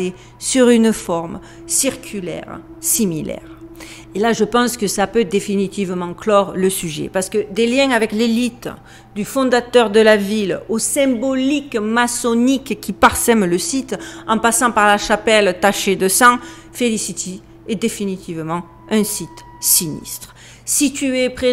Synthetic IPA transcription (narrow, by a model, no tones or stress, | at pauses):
e | syʁynfɔʁm | siʁkʲʰylɛ̰ʁ | similɛ̰ʁ | elaʒəpɑ̃skəsəlapød̪efinit̪ivəmɑ̃klɔʁləsyʒḛpaʁsə̥kəd̪eljɛ̃avɛklelit̪ | d̪yfɔ̃d̪at̪œʁd̪əlavilosɛ̃bɔlikmasɔnikkʲːipaʁsɛmləsit̪ɑ̃pasɑ̃paʁlaʃapɛlt̪aʃed̪əsɑ̃ | felisit̪i | ɛd̪efinit̪ʰivəmɑ̃ | ɛ̃sit̪ | sinḭst̪χ | sit̪yepχe